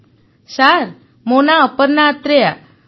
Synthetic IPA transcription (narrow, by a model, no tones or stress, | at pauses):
ɕaɾ | monaəpəɾnat̪ɾeja